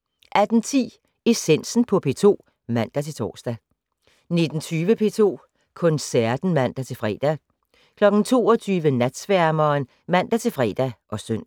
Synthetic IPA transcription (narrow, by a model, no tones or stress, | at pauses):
ʔæd̥n̩t͡sʰḭː | e̝sen̰sn̩pʰɒ̽pʰe̝ːt͡sʰo̝̰ː | mæn̰d̥æt͡sʰe̝lt͡sʰɒ̰ːsd̥æ | ne̝d̥n̩t͡sʰyːʋəpʰe̝̰ːt͡sʰo̝̰ː | kʰɔ̽nsæɐ̰d̥n̩mæn̰d̥æt͡sʰe̝lfʁɛ̰ːd̥æ | kʰlɒ̽ɡ̥n̩t͡sʰo̝̰ːɒ̽t͡sʰyːʋənæd̥sʋæɐmɐːn | mæn̰d̥æt͡sʰe̝lfʁɛ̰ːd̥æʔɒ̽søn̰